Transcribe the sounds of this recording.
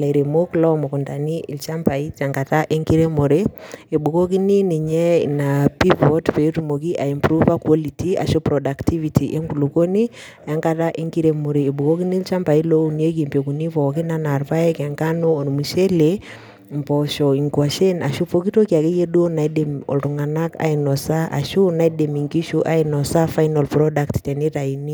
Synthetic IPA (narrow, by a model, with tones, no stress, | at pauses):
la˨i˨ɾe˨mo˦klɔ˦mo˨ku˨nta˨ni˦ʔi˨lt͡ʃa˦mpa˨i˦t͡ʃa˨ŋka˨ta˦ʔe˦ŋki˦ɾe˦mo˨ɾee˨ɓu˨ko˦ki˦ni˦ni˨ɲɛ˦na˨pi˦pɔ˦tpe˨tumo˨ki˦ʔa˨impɾuva˦kwo˦litia̰˨ʃo˦pɾɔda˨ktʰi˦vitʰi˨ʔe˦ŋku˨lu˨ko˦ni˦ | a˨ja˦ŋka˦ɾa˦ʔe˦ŋɡi˦ɾe˨mu˨ɾeː˨bu˨ko˦ki˦ni˦lt͡ʃa˦mpa˨i˦lo˦uni˦o˦k̬i˨mpe˨ku˨ni˦vɔ˨ki˦na˦na˨ɾva˦e˦kɛ˨ŋka˦no˦o˨n˨mu˨ʃe˦le | mpɔ˨ʃɔ˨i˨ŋkwa˨ʃe˦na˨ʃu˦po˦ki˦to˦kja˨ke˦je˦du˦o˦na˨ide˨mɔ̰˨lɾu˨ŋa˨na˦ka̰i˨nɔ˨sa˦ʔa̰˨ʃu˦na˦ide˨mi˨ŋki˦ʃu˦ʔa˦inɔ˨sa˦fa˦jnalpɾɔdakttɛ˨ni˦ɾa˨ini˦